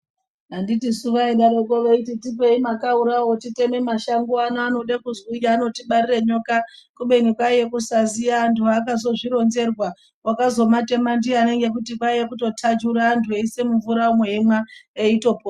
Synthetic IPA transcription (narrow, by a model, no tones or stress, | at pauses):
anditisuʋaeɗaɾekoʋeititipe̞imakauɾawo̞tite̞me̞maʃaŋɡoanaano̞ɗakuzijaːno̞tiɓaɾireɲo̞kakuɓe̞nikwajekusazijaːntʰuakazo̞ʐiɾo̞nze̞rwa | wakazo̞mate̞mandiane̞ŋɡe̞k̬utikwajekuto̞tʰad͡ʒuɾaːntʰueisemuɱvuɾaumweɦemwaeito̞po